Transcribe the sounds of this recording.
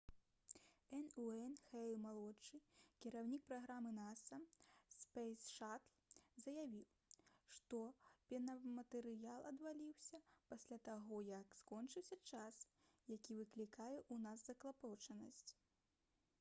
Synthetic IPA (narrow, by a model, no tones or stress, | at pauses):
ɛnuɛnxɛlˠmalˠɔt͡ʂːɨkʲiɾawnʲik̚pɾaɣɾamɨnasɐspɛjsʂat̪lʲˠzɐjavʲiw | ʂt̪ɔpʲɛnɐmɐt̪ɛɾɨjalˠɐd̪valʲiwsʲɐpasʲlʲat̪aɣɔjɐkskɔnt͡ʂɨwsʲɐt͡ʂas | jakʲivɨklʲikajɛʔunazzɐklˠapɔt͡ʂɐnɐsʲt͡sʲ